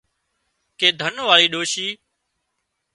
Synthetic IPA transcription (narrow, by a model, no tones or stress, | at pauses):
keːd̪ʱənʋaːɭiːɗoːʃiː